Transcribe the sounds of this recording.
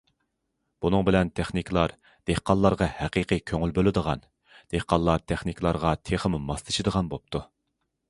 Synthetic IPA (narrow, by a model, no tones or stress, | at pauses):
b̥unɨŋbɪlɛnt̪ʰeχnikʲʰlˠɑɾ | d̪̥ehqɑlˠːɑɾʁɑhæqiqikʲʰøŋylbølɪd̪əʁɑ̰n | d̪̥ehqɑlˠːɑɾt̪ʰeχnikʰʲlˠɑɾʁɑt̪ʰeχəmumɑst̪ʰɨ̥ʃid̪əʁɑnbop̚t̪ʰu